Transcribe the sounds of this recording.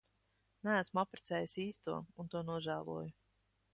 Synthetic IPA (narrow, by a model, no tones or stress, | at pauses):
nææsmuapɾɛt̪sɛːjisiːst̪uɔunt̪uɔnuɔʒæːlˠṵɔju